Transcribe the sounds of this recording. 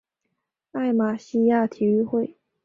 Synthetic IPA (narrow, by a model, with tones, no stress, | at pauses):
a˥˩ɪma˨˩ɕi˥ja˥˩t̪ʰi˧˥y˥˧xwe˥˩ɪ